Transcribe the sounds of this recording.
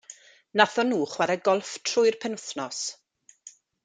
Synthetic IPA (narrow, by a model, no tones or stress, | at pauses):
naθɔnuːχwaɾəɡɔlˠftʰrʊɨrpʰɛnəθnɔs